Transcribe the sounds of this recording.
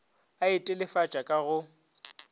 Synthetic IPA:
aɪtʼɪlɪfat͡ʃʼakʼaɣʊ

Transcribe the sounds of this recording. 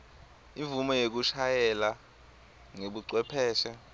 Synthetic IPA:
iɱvumɔjek̬uʃajɛla | ŋeɓuǀwɛpʰɛːʃɛ

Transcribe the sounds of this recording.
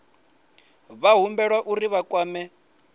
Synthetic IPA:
βaɦumbɛɺwaʔuriβakʼwaːmɛ

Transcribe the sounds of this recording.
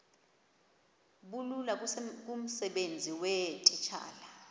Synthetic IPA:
ɓululak̬ʼum̩sɛɓend͡zʱiwɛtʼit͡ʃʰa̰ːla

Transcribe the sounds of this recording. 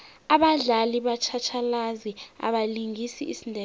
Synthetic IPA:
aɓaɮaliɓat͡ʃʰat͡ʃʰalazia̰ɓaliŋisiisindʱɛ

